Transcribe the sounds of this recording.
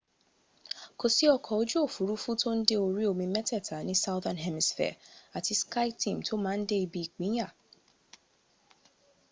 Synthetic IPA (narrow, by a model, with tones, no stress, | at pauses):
ko˨si˨˦ɔ˧kʰɔ˨o˧˦d͡ʒu˦o˦˨fu˨˦ɾu˦fu˦to˦n̩˦de˦o˧ɾi˦o˧˨mĩ˧mɛ˦tɛ˦˨tʰa˨nĩ˨˦sa˦ʊðã˧nɦɛ˦mi˨sfɛ̰˨a˨ti˧ska˦tĩ˨m̩˨tʰo˦mãː˦n̩˦de˦i˧bi˦i˨k͡pĩ˨˦j̃ã˦˨